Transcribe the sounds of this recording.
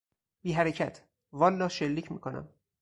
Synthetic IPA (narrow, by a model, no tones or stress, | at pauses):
biːɦæɾecʰæt̪ʰ | vɒːlːɒːʃe̞lːiːcʰmiːkʰo̞næ̰m